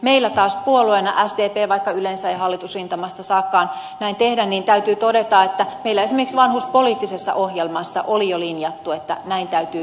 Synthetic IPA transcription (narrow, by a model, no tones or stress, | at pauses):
meilːæt̪ɑːspuoluenɑʔæsd̪eːpeːʋɑikːɑylensæeɦɑlːit̪usrint̪ɑmɑst̪ɑsɑːkːɑːn | næint̪ehdænniːnt̪æyt̪yːt̪odet̪ɑet̪ːæmeilːæesimekiksʋɑnhuspoliːt̪ːisesːɑ̰ʔohjelmɑsːɑ̰ʔolijolinjɑt̪ːuet̪ːæ̰næint̪æyt̪yː